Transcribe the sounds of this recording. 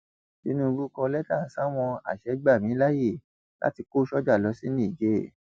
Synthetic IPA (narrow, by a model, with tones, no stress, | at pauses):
ti˨˦nũ˦˧bu˦kɔ˧lɛ˦ta˦˨sa˦w̃ɔ̃˧a̰˨ʃɛ˨˦ɡ͡ba˦˨mĩ˨˦la˦je˦˨ | la̰˦ti˧ko˦ʃɔ˦d͡ʒa˦˨lɔ˨˧˦si˦nĩ˦˨d͡ʒe˦˨